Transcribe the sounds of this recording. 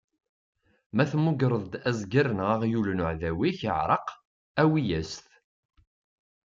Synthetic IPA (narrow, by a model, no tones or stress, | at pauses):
mæθmːuɡɾˤəðˤd̪æzɡaɾənʁɑʁjulənʊʕðæwiçə̰ʕɾˤɑq | æwijæsθ